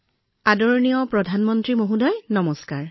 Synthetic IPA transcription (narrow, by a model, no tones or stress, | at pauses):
adɔɹnijɔpɹɔdʱanmɔntɹimoɦudɔjnɔmɔskaɹ